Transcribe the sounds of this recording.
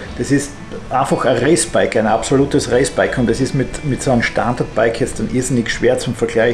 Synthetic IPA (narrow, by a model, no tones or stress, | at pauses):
d̥ɑsɪst | ʔaɪnfɐxɐʁeɪsb̥aɪkʰæ̃ɪnapsoluːtəsʁeɪsb̥aɪkʰʊ̃ntd̥ɛsɪstmɪtmɪtsoːnəmʃta̰ndɐt̚b̥aɪkʰjɛt͡std̥anʔizɪnɪçʃv̥eːɐt͡sʊmfɛɐɡlaɪ